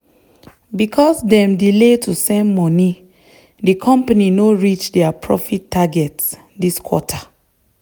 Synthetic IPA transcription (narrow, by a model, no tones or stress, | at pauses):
bikʰɔsdɛ̃mdiletʰusɛ̃nmɔni | dikʰɔ̃mpaninoɹit͡ʃdɛapʰɹɔfitːaɡɛts | diskwɔ̰tʰa